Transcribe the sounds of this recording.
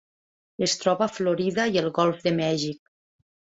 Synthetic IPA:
est̪ɾɔβafloɾiðajelˠɣɔlˠfðəmɛʒik̚

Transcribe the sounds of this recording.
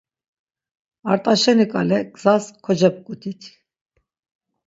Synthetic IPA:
aɾt̪ʼaʃɛnikʼalɛɡz̥askʰɔd͡ʒɛp̚kʼut̪ʰʼit̪ʰ

